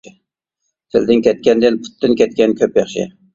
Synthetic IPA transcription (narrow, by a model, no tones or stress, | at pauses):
t̪ʰɪld̪ɪŋkʲɛt̪̚kʲɛnd̪ɪnpʰʊ̥t̪ʰːɪnkʲɛt̪̚kʲɛnkʲʰøpjɑχʃɪ̰